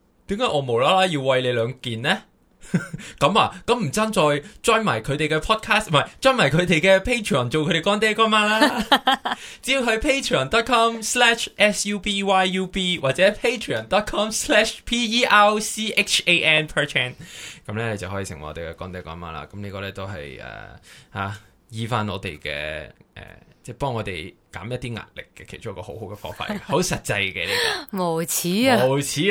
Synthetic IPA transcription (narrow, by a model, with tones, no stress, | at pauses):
t̪iː˨˦mkaː˨˥ʔɔː˨˧mo˨˩wlaː˥laː˥jiː˧wwɐ˧jle˨˧jlœː˨˧ŋkiː˨nlɛː˥ | kɐ˨˧˥ma̰ː˧kɐ˨˥mm̩˨˩t͡saː˥nt͡sɔː˧jt͡ʃɔː˥nma̰ː˨˩jkʰɵ˨˧t̪e˨jkɛ˧pʰɔː˥t̚kʰaː˥stmɐ˨jt͡ʃɔː˥nmaː˨˩kʰɵ˨˧ɥt̪e˨jkɛː˧pʰe˥jtʰɹi˨ɔː˨˩nt͡so˨wkʰɵ˨˧ɾe˨kɔː˥nt̪eː˥kɔː˥nmaː˥laː˥ | t͡si˨˥jiː˧wɦɵ˧ɥpʰe˥jtʰɹi˨ɔː˨˩nt̪ɔː˥t̚kʰɔː˥mslɛː˧˥ʃʔɛ˥sjuː˧piː˧waː˥jːuː˧piː˧waː˨t̚t͡sɛː˨˦˥pʰe˥jtʰɹi˨ɔ̰˨˩nt̪ɔː˥t̚kʰɔː˥mslɛ˥ʃpʰiː˧˥iː˥ʔa˧wsiː˥ʔe˥k̚t͡ʃʰe˧ʔɛː˧npʰəː˨˧t͡ʃʰɛ˥nkɐ˨˦mlɛ˥le˧jt͡sɐ˨wɦɔː˨˥jiː˨˧sɪ˨˩ŋɐ̰˨ɔː˧t̪kɛ˧kɔː˨˥ŋt̪e˨˧kɔː˨˥nma̰ː˧˩la̰ː˧kɐ˨˦mniː˥kɔː˧lɛː˥t̪o˥wɦɐ̰˨jʔɛ̰ː˨˩ha˧˥ | jiː˨˧faː˧˥nɔː˨˧t̪e˨jkɛ̰ː˧ʔɛ̰ː˨˩t͡sɛː˧˩pɔː˥ŋɔː˨˧t̪e˨jka̰ː˨˥mjɐ˥t̪̚ːiː˥ŋa̰ː˨t̚lɪ̰˨kːɛ˧kʰe˨˩jt͡ʃʊ˥ŋ˥kɔː˧ho˨˥who˨˥wɡɛ˧fɔ̰ː˧˥ŋfa̰ː˧t̚ɡho˨˥wsɐ˨t̚t͡sɐ˧jkɛ˧kɛ̰˧le˧˥˨mo˨˩wt͡sʰiː˨˥mo˨wt͡sʰiː˨˥